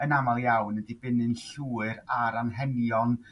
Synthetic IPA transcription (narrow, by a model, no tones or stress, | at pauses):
ənamalˠjawnədibɪnɨnɬuːɨɾaɾanɦɛnjɔn